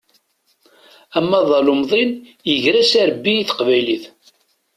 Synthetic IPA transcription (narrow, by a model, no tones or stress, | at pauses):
æmːæðˤɑlʊmðˤinjəʝɾæsæɾəbːiiθə̥qvæjliθ